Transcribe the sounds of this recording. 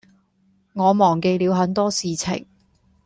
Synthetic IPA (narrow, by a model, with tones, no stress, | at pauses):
ŋɔː˨˧mɔː˨˩ŋke˧jliː˨˧wɦɐ˨˧˥nt̪ɔː˥siː˨˧t͡sʰɪ̰˨˩ŋ